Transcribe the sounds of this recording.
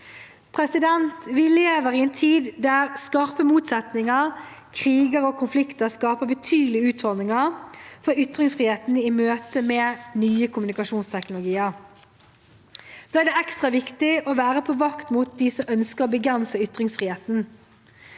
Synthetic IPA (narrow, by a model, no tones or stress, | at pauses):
pʰʁɛsɪd̪ɛnt̪ʋɪleːʋəʁɪɛnt̪ʰiːd̪d̪æʁskɑʁpəmuːt̪sɛt̪nɪŋəʁkʰʁiːɡəɾɔkʰʊnflɪkt̪əʁskɑːpəbət̪ʰyːd̪l̩ɪʉːt̪fɔlnɪŋəʁfɔɾʏt̪ʁɪŋsfʁiːheːt̪nimøːt̪əmɛːnyːəkʰʊmnɪkɑʃuːnst̪ʰɛknʊlʊɡiːəʁ | d̪̥ɑːæɖ̪ɛɛkst̪ʁɑʋɪkt̪ɪʔɔʋæːʁəpʰɔʋɑkt̪mut̪̚d̪ɪsɔmʔœnskəʁɔbəɡɾɛnsəʏt̪ʁɪŋsfʁiːheːt̪n̩